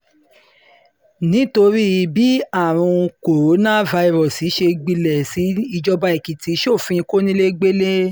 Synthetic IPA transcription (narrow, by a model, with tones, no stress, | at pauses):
nĩ˨˦to˧ɾi˦˧bi˨˦a˦˨ɾ̃ũ˧ko˨ɾo˨˦nã˦˨va˧i˨˧ɾɔ˨si˨˦ʃe˧ɡ͡bi˧lɛ˨si˨˦i˧d͡ʒɔ˦ba˧˦i˨ki˨ti˨˦ʃo˦˨fĩ˧ko˦nĩ˦le˦ɡ͡be˦le˦